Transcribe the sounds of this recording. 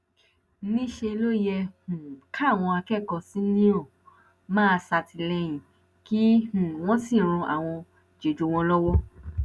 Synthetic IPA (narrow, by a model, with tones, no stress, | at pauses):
nĩ˦ʃe˧lo˦jɛ˧h̩˨kʰa˦˨w̃ɔ̃˧a˧kɛ˦˨kɔ˧si˦nĩ˦o˦˨ | mãː˦˧sa˧ti˧lɛ˧j̃ĩ˨ | ki˦hũ˨w̃ɔ̃˦sĩ˦˨ɾ̃ũ˧a̰˨w̃ɔ̃˧ | d͡ʒe˨d͡ʒo˨˧w̃ɔ̃˧lɔ˦wɔ˦